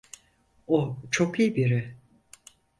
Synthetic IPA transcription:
ot͡ʃʰokijbiɾɪ

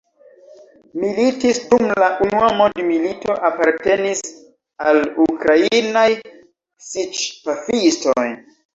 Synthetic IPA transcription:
militisdumlaʔunuamodmilito̞ʔapaɾte̞nis | alukɾainaj | sit͡ʃpafistoj

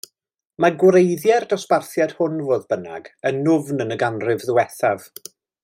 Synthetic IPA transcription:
maɡwɾejðjɛrdɔsparθjɛd̥hʊnvoːðbəna̰ɡənːʊvnənəɡanrɪvðʊwɛθav̥

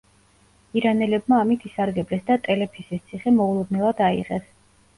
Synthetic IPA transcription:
iɾanɛlɛb̚maːmit̪ʰisaɾɡɛblɛsd̪at̪ʼɛlɛpʰisist̪sʰiχɛmɔulˠɔd̪̚nɛlˠad̪aḭʁɛ̰s

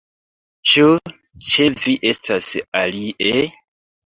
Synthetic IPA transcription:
t͡ʃu | t͡ʃe̞viʔe̞stʰasaliʔe

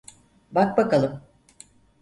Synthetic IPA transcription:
bak̚bakalˠɯm

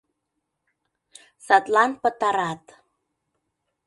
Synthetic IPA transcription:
sɑt̪lɑnpə̆t̪ɑɾɑt̪

